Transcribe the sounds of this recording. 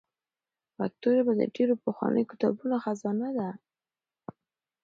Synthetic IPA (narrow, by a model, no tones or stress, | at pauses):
fa̰k̚t̪oɾebad̪ə̰ɖeɾopəxwa̰nə̰jkɪ̥t̪ɑ̰bunoxazɑnad̪a